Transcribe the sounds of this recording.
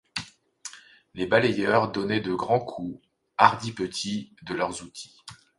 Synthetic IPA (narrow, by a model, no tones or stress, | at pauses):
lebalejœʁd̪ɔnɛd̪əɡʁɑ̃kʰu | aʁd̪ipət̪ʰid̪əlœʁzut̪ʰi̥